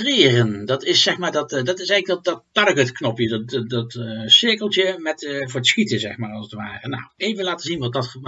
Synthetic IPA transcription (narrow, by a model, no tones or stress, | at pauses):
trɪːrəndɑtɪsɛxmaːɹdɑtdɑtɪsɛjɣələɡddɑttɑdəɡətknɔpjəddɑtsɪɹkəlˠtjəmɛtvʊːɹdəsxitəzɛ̰χmaːɹɑlˠsətʋaːrəna̰wejvənlaːtəzinʋɑt̚dɑtfəb